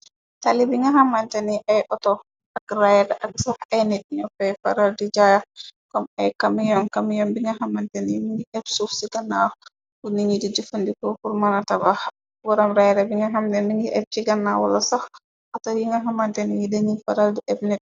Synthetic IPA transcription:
talibiŋɡaɦamantɛniʔajʔɔtɔ | akrajdaʔak̚sahajnit̚ɲɔfɛjfa̰ɾaldid͡ʒajakɔmajkamjɔnkamjɔmbiŋɡaɦamantɛnimiŋɡiʔɛbsufsiɡanːa | kuniŋidid͡ʒufundikɔkuɾmanataba | wɔɾɔmɾajɾabiŋɡaɦamdɛniŋɡiʔɛb̚t͡ʃiɡanːawa̰lasah | ʔatawjiŋɡaɦamantɛnijidaŋifaɾaldiʔɛbnit̚

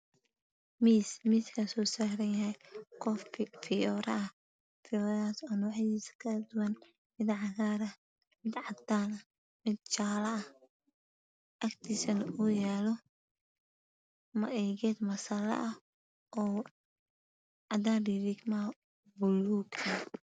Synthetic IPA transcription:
miːsmiːskʰɐsɔːsaːɾɐnjɐɦɛjkʰɔffɪjɔːɾɐ̰ʔɐ | fɪðaːsanʊwħiːskʰɐd̪ʊwɐn | mɪd̪ʕɑɣaːɾɐ | mɪd̪ʕɑd̪aːnɐ | mɪd̪̚t͡ʃaːlɐɐh | ʔɐkt̪ʰisɐnʊjaːlɔ | mɐɛːɣɛːd̪mɐsɐlɐ̰ʔɐ | ʔɔː | ʕɑd̪aːnɖiɾɪɡmɐ | bʊluːɡɐ

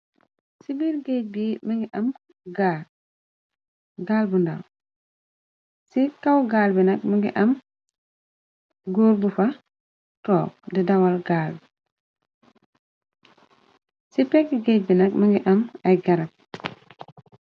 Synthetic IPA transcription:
sibilɡec̚bimɐŋɡiʔɐm | ɡaː | ɡaːlbundɐ̰w | sikɐwɡaːlbinɐk̚mɐŋɡḭʔɐm | ɡoːɾbufɐ | tɔːk̚didɐwɐlɡaːlb | sipɛkːiɡɛc̚binɐk̚mɐŋɡiʔɐmɐjɡɐɾɐp̚

